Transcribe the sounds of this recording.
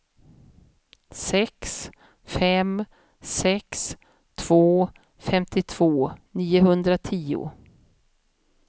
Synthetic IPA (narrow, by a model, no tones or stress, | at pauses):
sɛks | fɛm | sɛks | t̪ʰv̥oː | fɛmt̪ʰɪt̪ʰv̥oːniːʊhɵnd̪ɾat̪ʰiːʊ̰